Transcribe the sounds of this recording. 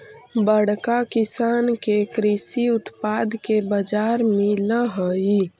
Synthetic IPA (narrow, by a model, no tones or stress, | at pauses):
bəɽ̤kakisaːnkekɾisiʊt̪paːd̪kebəd͡ʒaːɾmẽləɦəi